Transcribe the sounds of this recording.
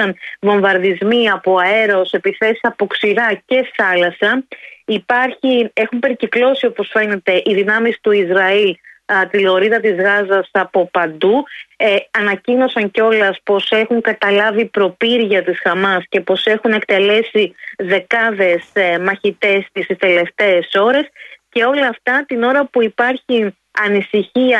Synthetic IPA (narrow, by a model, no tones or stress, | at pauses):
ɐnvo̞ɱvɐɾðizmiɐpo̞ɐe̞ɾo̞se̞piθe̞si̥sɐpo̞ksiɾɐce̞θɐlɐsɐipɐɾçie̞xumpe̞ɾciklo̞sio̞po̞sfe̞ne̞t̪e̞ʔiðinɐmist̪uizɾɐilt̪iloɾiðɐt̪izɣɐzɐsɐpo̞pɐnd̪u | ɐnɐcino̞sɐŋceo̞lɐspo̞se̞xuŋkɐt̪ɐlɐvipɾo̞piɾʝɐt̪isxɐmɐsce̞po̞se̞xune̞kt̪e̞le̞siðe̞kɐðe̞smɐçit̪e̞st̪isist̪e̞le̞ft̪e̞ːso̞ɾe̞sce̞o̞lɐːft̪ɐt̪ino̞ɾɐpuipɐɾçi | ɐnisiçiɐ